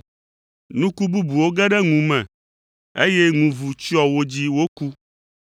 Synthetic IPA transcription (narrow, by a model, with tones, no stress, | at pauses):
nũ˦ku˦bu˦bu˨wo˦ɡɛ˦ɖɛ˦ŋũ˨mɛ̃˨ | e˦jɛ˦ŋũ˨vu˨t͡ɕi˦ɔ˨wo˦d͡ʑi˦wo˦ku˦